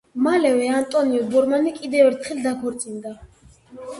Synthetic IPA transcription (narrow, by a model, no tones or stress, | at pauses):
malɛvɛant̪ʼɔniɔbɔɾmanikʼid̪ɛvɛɾt̪ʰχɛld̪akʰɔɾt̪sʼind̪a